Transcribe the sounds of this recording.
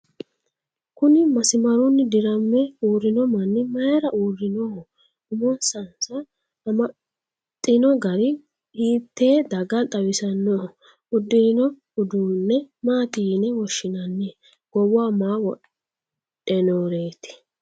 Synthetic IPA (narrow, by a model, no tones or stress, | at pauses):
kʊnɪmɐsɪmɐɾʊnːɪd̪ɪɾɐmːɛuːrɪnɔmɐnːɪmɐjɾɐʔuːrːɪnɔ | ʊmɔnsɐnsɐː | mɐ | t̪ʼːɪnɔɡɐɾɪ | iːt̪ːeːd̪ɐɡɐt̪ʼɐwɪsɐnːo | ʊd̪ːɪɾɪnɔ | ʊd̪uːnːɛmaːt̪inɛwɔʃːɪnɐnːɛ | ɡ̥ɔwʊaːmaːwɔ | ɛnoːɾe̞ːt̪ɪ̥